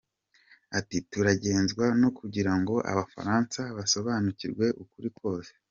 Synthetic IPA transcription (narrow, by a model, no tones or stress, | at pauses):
atituɾaɟe̞ːnzɡwano̞kuɟiɾaŋɡo̞ʔa̰βafa̰ɾaːnsaβaso̞βaːnuciɾɡwe̞ʔukuɾikʰo̞ːse̥